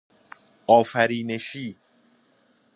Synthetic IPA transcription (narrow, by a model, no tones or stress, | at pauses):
ɔːfæɾiːneʃiː